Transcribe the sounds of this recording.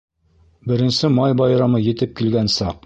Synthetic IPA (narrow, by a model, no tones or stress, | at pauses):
bɘ̆ɾɘ̆nsɘmɑjbɒjɾɑmɤjɘ̆t̪ɘp̚kilɡænsɑq